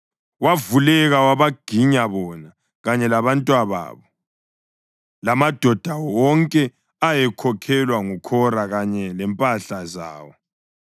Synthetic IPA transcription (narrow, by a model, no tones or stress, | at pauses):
wavulɛɣawaβaɡ̥ʱiɲaβɔna | ɣaɲɛlaβantʼwaβa̰ːβɔ | lamad̥ʱɔd̥ʱawɔŋkʼɛ | ajɛkʰɔkʰɛlwaŋukʰɔɾaɣaɲɛlɛmpʼaɬaza̰ːwɔ